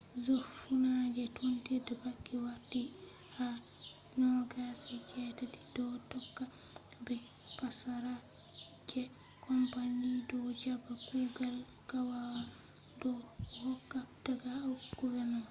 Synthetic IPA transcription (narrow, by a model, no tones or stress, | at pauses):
zofunad͡ʒɛtʰontidɛbakːiwaɾti | ha | nɔɡasɛkɛːtati̥dɔtɔkːa | bɛ | pasaɾa | d͡ʒɛ | kʰɔmpaɲidɔd͡ʒabaɡuɡal | kawawa | dɔhɔkːad̥aɡawɡ̥uvɛɾnɔ